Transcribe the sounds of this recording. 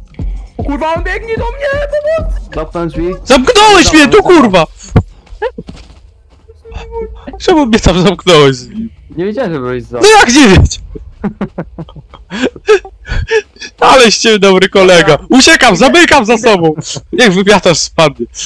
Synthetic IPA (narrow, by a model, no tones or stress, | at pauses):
ukuɾvaɔnbʲjɛɡɲid̪ɔmɲɛ | akzamknɔwɛɕmʲɲɛt̪ukuɾva | t͡ʂɛmumɲɛt̪amzamknɔwɛɕ | ɲvʲed͡ʒawɛbɛnɔjaɡɲɛvʲjɛt͡ɕɛ | alɛɕt͡ɕɛd̪ɔbɾɨkɔlɛɡaut͡ɕɛkamzamɘkamzasɔbɔ̃w̃ɲaɡvɨpʲjat̪aʂspad̪̚ɲɛ